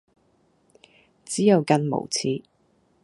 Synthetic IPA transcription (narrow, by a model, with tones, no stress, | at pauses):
t͡siː˨˥jɐ˨˧wkɐ˧nmo̰˨˩wt͡sʰiː˧